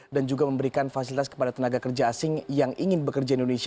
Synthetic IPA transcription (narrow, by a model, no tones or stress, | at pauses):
dand͡ʒuɡaməmbəɾikanfasilit̪askə̥padat̪ənaɡakərd͡ʒaːsɪŋjaŋʔiŋɪnbəkərd͡ʒaindonesi